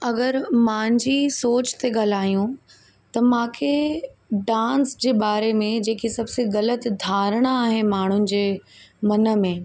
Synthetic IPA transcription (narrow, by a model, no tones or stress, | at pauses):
ɐɡəɾmãːɲd͡ʑiːsoːt͡ɕt̪eɠɐlaːijũ | t̪ɐmãːkʰeɖãːnsd͡ʑeːɓaːɾemẽd͡ʑeːkʰisɐbseɣɐlət̪d̪ʱaːɾəɽ̃aaːɦenɪ̆maːɳ̤ʊnɪ̆d͡ʑeːmɐnə̆mẽ